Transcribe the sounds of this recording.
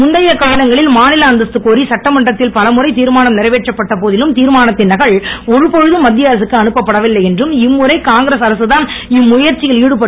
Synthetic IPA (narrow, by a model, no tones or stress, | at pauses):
mʊɳɖɐjɐkɐʋːɪɽɐŋɡɐɭɪlmaːnɪlɐːnd̪ɐst̪ːɯkːoːɾisɐʈːɐmɐɳɖrɐt̪ːɪlpɐlɐmʊrɐɪt̪iːɾmaːnɐmnɪɾɐʋeːʈrɐpːɐʈːɐpoːðɪlɯmt̪iːɾmaːnɐt̪ːɪnɐɣɐɭɔɻɯpɔɻɯðɯmːɐd̪ːɪjaːɾɐs̬ɯkːɯɐnɯpːɐpːɐɽɐʋɪlːɐjɛndrɯmɪmːɯɾɐɪkaːŋɡɾeːsɐɾɐsɯðaːnɪmːʊjɐɾt͡ʃːɪjɐliːɽɯpːɐ